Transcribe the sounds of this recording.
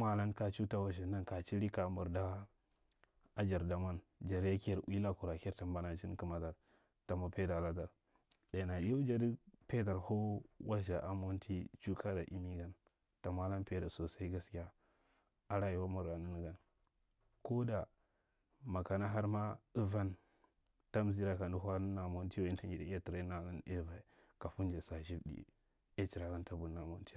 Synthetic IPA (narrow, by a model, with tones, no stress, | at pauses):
ma˦la˦nka˦t͡ʃu˦ta˦wa˨ʃ̬a˨na˦nka˨t͡ʃi˦ɾi˦ka˨˦mu˨ɾda˦ | a˦d͡ʒa˨ɾda˨ma˦nd͡ʒa˨ɾja˦kɾʔu˦i˦la˦ku˨ɾa˨ke˦ɾta˨mba˦na˨t͡ʃi˦n˦ki˦ma˨ta˨ɾ | ta˨ma˨pe˦da˨la˦ta˨ɾ | da˨na˨i˦jo˦d͡ʒa˦di˦pe˦da˨ɾho˦wa˦ʃ̬a˨ʔa˦mo˦ntʰi˦t͡ʃu˦kʰa˦da̰˨ʔi˦mi˦ɡa˨n | ta˨ma˦la˦npe˦da˨so˨sa˦i˦ɡa˦skʲi˦ja˦ | a˦ɾa˦ji˨wa˦ma˨ɾa˨nə˦ni˦ɡa˦n | ko˦da˨ | ma˨ka˨na˦ɦa˦ɾma˦ə˦va˦n | ta˦m˦zi˦ɾa˦ka˨ndu˦ɦa˦nə˦na˨mo˦nti˦wa˨i˦nta˦i˨da˨˦i˦a˦ti˨ɾa˦na˨la˦ne˦va˨i˨ | ka˨fu˦nd͡ʒa˨sa˨ʒi˦bdḭ˨ | e˦t͡ʃi˨ɾa˨ɡa˦nta˦bu˨˦na˨mo˦n˦ti˦